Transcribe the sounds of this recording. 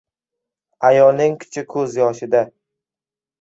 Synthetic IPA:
ajɒlnɪŋkʰɪ̥t͡ʃʰɪkʰɵzjɒʃɪd̪a

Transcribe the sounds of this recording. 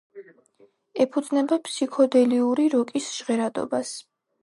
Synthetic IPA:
ɛpʰud̪znɛbapʰsikʰɔd̪ɛliuɾiɾɔkʼisʒ̥ʁɛɾad̪ɔ̰bas

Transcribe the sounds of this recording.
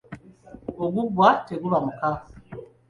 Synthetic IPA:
oɡuɡwateɡuβamuka

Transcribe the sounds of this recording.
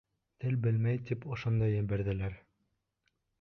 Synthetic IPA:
t̪ɘlbɘlmæjt̪ipŏʃond̪ɑjɘ̆bæɾðɘ̆læɾ

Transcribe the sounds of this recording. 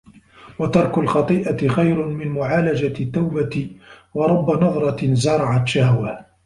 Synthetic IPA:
wɑt̪ɑɾˤkʊlxɑt̪ˤiːʔaxajɾʊmɪnmʊʕaːlad͡ʒat̪ːawbat̪wɑɾˤɑbːanɑðˤɾˤɑzɑɾˤɑʕat̪ʃahwaː

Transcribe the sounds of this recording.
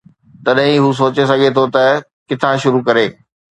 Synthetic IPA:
t̪ɐɗɦĩɦus̬oːt͡ɕes̬ɐɡʱet̪ʰot̪ɐ | kɪt̪ʰãʃʊɾukɐɾeː

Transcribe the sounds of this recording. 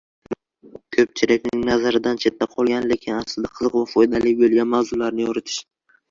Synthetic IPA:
kʲʰɵp̚t͡ʃʰɪɾakʲnɪŋnazaɾɪd̪ant͡ʃʰe̞t̪ʰːaqʰɒlˠɡʲanle̞kʲʰɪnaslɪd̪aqʰɨzɨqvafɒjd̪alɪbolˠɡʲanmawzʊlaɾnɪjɒɾɪt̪ʰɪ̥ʃ

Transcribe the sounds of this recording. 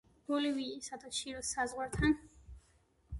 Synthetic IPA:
b̥ɔliviisad̪ʰaʃiɾɔsazʁwaɾt̪ʰan

